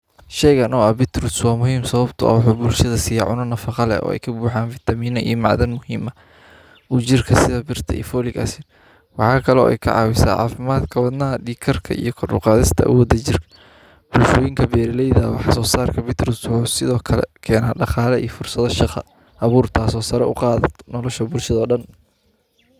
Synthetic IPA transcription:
ʃɛjɣɐnɔːɐbɪt̪ɾʊswɑːmʊɦiːmsɐβɐbt̪ʰʊʔɐ̰wħuːbʊlʃɐðɐsiːjɐʕʊnɐnɐfɑqɑlɛ̰ɔ̰ːɛ̰jkʰɐbuːħaːnfɪt̪ʰɐmiːnɔʔḭjɔmɑʕðɐnmʊhiːmɐ | uːt͡ʃɪrkʰɐsɪðɐbɪrt̪ʰɐḭːfɔːlɪɡɐ̰sɪn | wɑ̰ħɑːkʰɐlɔːʔɛ̰jkʰɐ̰ʕɑ̰ːwɪsa̰ːʕɑ̰ːfɪmaːd̪kʰɐwɑd̪nɐɦɐɖiːkʰɐrkʰɐ̰ʔḭjɞkʰɔrdʊ̰qɑːðɪst̪ʰɐʔa̰wɔːd̪ɐt͡ʃɪrkʰɐ̥ | b̥ʊlʃɔːjɪŋkʰɐbɛːɾɪlɛjðawɑħsɔːsaːrkʰɐbɪt̪ʰɾɪswʊħuːsɪðɔːkʰɐlɛ̰kʰɛːnaːɖɑqɑːlɐʔḭjfʊrsɐðɔʃɑχɐ | ʔɐβuːrt̪ʰaːsɔːsɐɾɛʊqɑːðɐt̪nɔlɔʃɐbʊlʃɐðɔːɖɐn

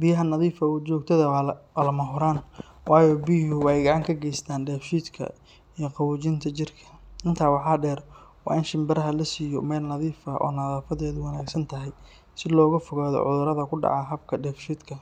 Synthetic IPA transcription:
bɪjɐɦɐnɐðiːfɐuːt͡ʃɔːɡ̚t̪ʰɐðɐwlɐmɐɦʊɾaːn | wɑːjɔːbijɦʊwɑɛjɡɑʕɑŋkʰɐɡɛjst̪ʰaːnɖɛːfʃiːd̪kʰɐ̰ | ijɔqɑwʊːt͡ʃɪnt̪ʰɐt͡ʃɪrkʰɐ̥ʔɪnt̪ʰaːwɑħɑːɖɛːɾwɑ̰ːɪnʃɪmbɐɾɐɦɐlɐsiːjɔ̰mɛːlnɐðiːfɐʔɔ̰ːnɐðaːfɐðɛːðʊwɑnaːɡsɐnt̪ʰɐɦɛj | sɪlɔːɣɐfɔɣaːðɔ̰ʕʊðʊɾɐðɐkʰʊɖɑ̰ʕɑɦɐb̚kʰɐɖɛːfʃiːd̪kʰɐ

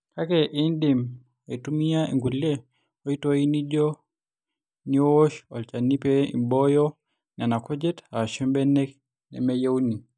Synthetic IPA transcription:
kakɛʔɛndim | aitumiaiŋɡulɛ | ɔitɔinid͡ʒɔ | niɔɔʃɔlt͡ʃanipɛḭbɔjɔ | nanakɔd͡ʒɛtaʃɛmbɛnɛk | nɛ̰mɛjauni

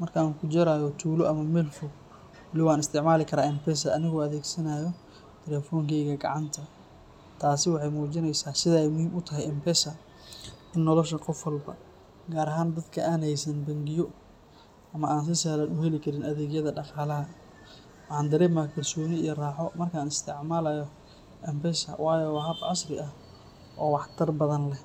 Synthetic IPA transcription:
mɐrkʰaŋkʰʊd͡ʒɐɾaːjɔt̪ʰuːlɔʔɐmɐmɛlfʊ | wɐlɪwaːnɪst̪ʰɪʕmaːlɪkʰɐɾaːɪmpɛs̬ɐːnɪɣɔːɐðɛːɡsɐnaːjɔ | t̪ʰɛlɛːfɔːŋkʰɛjɣɐɡɑ̰ʕɑnt̪ʰɐ | t̪ʰaːsɪwɑħɑjmuːt͡ʃɪnɛjsaːsɪðaɛjmʊhiːmʊt̪ʰɐɦɛjɪmpɛsɐ | ɪnːɔlɔʃɐqɔfwɐlbɐ̰ | ɡaːɾɐɦaːnd̪ɐd̪kʰɐʔaːnhɛjsɐnbɐŋɡɪjɔ | ɐmɐaːns̬ɪsaːlɐnʊhɛlɪkʰɐɾɪnɐðɛːɣjɐðɐɖɑqɑːlɐɦɐ | wħɑːnd̪ɐɾɛːmɐkʰɐlsɔːnɪijɔraːħɔmɐrkʰaːnɪst̪ʰɪʕmaːlɐjɔ | ʔɪmbɛsɐ̰wɑːjɔwɦɐbʕɑsrɪʔɐh | ʔɔːwɑħt̪ʰɐrbɐðɐnlɛ

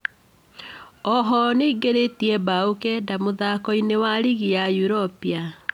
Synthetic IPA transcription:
ɔɦɔneiɡeɾetiɛbaokɛdamoðakɔinewaɾiɣijajuɾɔpia

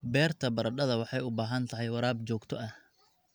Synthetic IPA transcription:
bɛːrt̪ʰɐbɐɾɐɖɐðɐwɑħɑjʊbaːɦɐnt̪ʰɐɦɛjwɐɾaːbt͡ʃɔːɡt̪ʰɔʔɐh

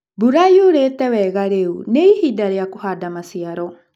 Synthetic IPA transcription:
buɾajuɾet̪ɛweɡaɾewnejhidaɾeakuhadamasiaɾo

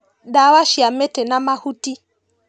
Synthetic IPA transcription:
ɗawaʃiamɛtɛnamahuti

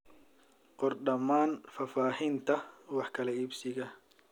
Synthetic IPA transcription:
qɔrɖɐmaːnfaːfaːhɪnt̪ʰɐwɑħkʰɐlɐibsɪɣɐ

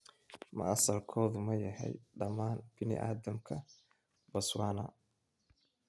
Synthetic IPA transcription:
mɐɐsɐlkʰɔːðʊmɐjɐhɛ̰jɖɐmaːnb̥ɪnɪ̰ʔa̰ːðɐmkʰɐ | bɐswaːnɐ̰

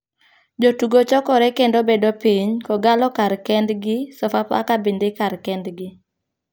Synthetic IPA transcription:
d͡ʒotuɡot͡ʃɔkɔɾɛkendobedopiɲkɔɡalɔkaɾkɛndɡɪsɔfapa̰kabindekarkɛndɡɪ

